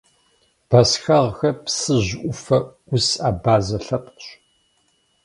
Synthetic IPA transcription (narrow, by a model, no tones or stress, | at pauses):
b̥ɐsxɐʁxɐpsɨʑʔʷʊfɐ | ʊsaːbaːzɐɬɐpɕ